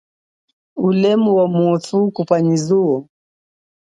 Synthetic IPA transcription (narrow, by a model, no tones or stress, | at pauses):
ulɛmuwamuɔθukupaɲizuɔ